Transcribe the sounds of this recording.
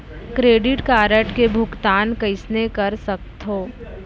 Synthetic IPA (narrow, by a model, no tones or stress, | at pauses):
kɾeːɖɪʈkaːɾəʈkebʱʊkt̪aːnkɐɪsnekɐɾsɐk̚t̪ɦoː